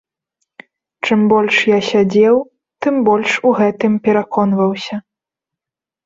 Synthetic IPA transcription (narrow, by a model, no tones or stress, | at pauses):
t͡ʂɨmbɔlʲʂjasʲad͡zʲɛw | t̪ɨmbɔlʲʂuɣɛt̪ɨmpʲɛɾakʰɔnvɐwsʲɐ